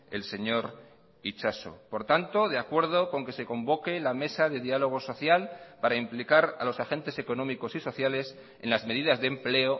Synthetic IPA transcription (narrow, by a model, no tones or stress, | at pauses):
e̞̰lse̞ɲo̞ɾ | it͡ʃaso̰po̞ɾt̪ant̪o̞ð̞eakwe̞ɾð̞o̞ko̞ŋke̞se̞ko̞mbo̞ke̞lame̞saðe̞ðialo̞ɣ̞o̞so̞θjalpaɾaimplikaɾa̰lo̞saxe̞nt̪e̞se̞ko̞nõ̞miko̞siso̞θjale̞s | enlazme̞ðiðazðemple̞o